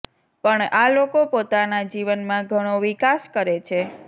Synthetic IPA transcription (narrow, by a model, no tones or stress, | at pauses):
pəɳalokopot̪anad͡ʒiʋənmãɡʱəɽ̃oʋikaskəɾet͡ʃʰe